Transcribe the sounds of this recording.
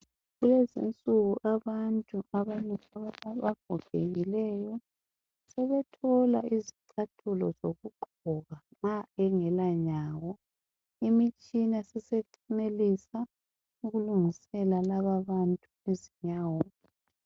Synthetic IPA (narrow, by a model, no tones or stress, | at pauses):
ɣulɛzḭnt͡sʼuɣuʔaβantʼuaβanaaβaɡ̥ʱɔɡ̥ʱeɣilɛjɔ | sɛβɛtʰɔlaiziǀʰatʰulɔzoɣuɡ͡ǃʱ | ɔɣaŋaɛŋɛlaɲaːwɔ | imit͡ʃʼinasɛseǀʰinelisa | uɣuluŋisɛlalaβaβantʼueziɲaːwɔ